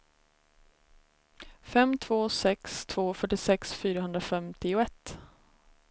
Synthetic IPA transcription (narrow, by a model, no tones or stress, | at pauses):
fɛmt̪ʰv̥oːsɛkst̪ʰv̥oːfœʈːɪsɛksfyːɾahɵnd̪ɾafɛmt̪ʰɪʊɛt̪ː